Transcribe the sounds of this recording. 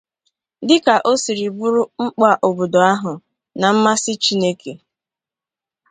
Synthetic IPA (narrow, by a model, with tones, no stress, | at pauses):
dɪ˦ka˨ʔo˦si˨ɾi˨ɡ͡bu˦ɾʊ˦ŋ͡m̩˦k͡pa˦ʔo˨bo˨do˨a˦ɦʊ˨ | na˨m̩˦ma˦sɪ˦t͡ʃi˦ne˦ke˨